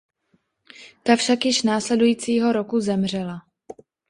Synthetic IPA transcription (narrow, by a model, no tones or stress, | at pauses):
t̪afʃakjɪʃnaːslɛdujiːt͡siːɦo̞ɾo̞kuzɛmr̝ɛla